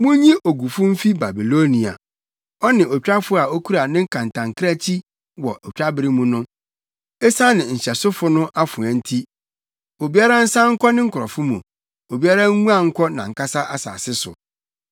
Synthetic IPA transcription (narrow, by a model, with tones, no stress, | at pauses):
mʊ̃˦ɲĩ˦ʔo˨ɡu˨fʊ̃˦m̩˦fi˦ba˨bi˨lo˦nĩ˨a̰˨ | ɔ˦nɪ̃˨ʔɔ˨t͡ɕᶣa˦fʊ˦a˨o˦kʰu˦ɾa˨nɪ̃˦ŋ̩˦kʰã˨n˨tʰã˨ŋkʰɪ˦ɾa˦t͡ɕʰi˦ | wɔ˨ʔɔ˨t͡ɕᶣa˦bɪ˦ɾi˦mũ˨nʊ̃˦ | ɛ˦sa˦nɪ̃˨ɲ̩˨ɕɛ˨sʊ˦fʊ˨˦nʊ̃˦ʔa˦fʊ̃˨ã˨n̩˦tʰi˦ | o˨bi˦a˦ɾa˦n̩˦sã˦ŋ̩˦kʰɔ˦nɪ̃˦ŋ̩˦kʰʊ˨ɾɔ˨fʊ˦mṵ̃˨ | o˨bi˦a˦ɾã˦ŋ˦ŋũ˦a˦ŋ̩˦kʰɔ˦nã̰˨ŋ̩˨kʰa˦sa˦ʔa˨sa̰ː˨sɪ˦sʊ̰˨